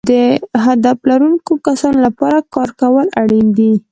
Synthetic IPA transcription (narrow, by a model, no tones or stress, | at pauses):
d̪əɦad̪aflaɾunkokasɑnolapɑɾakɑɾkawəlaɽind̪i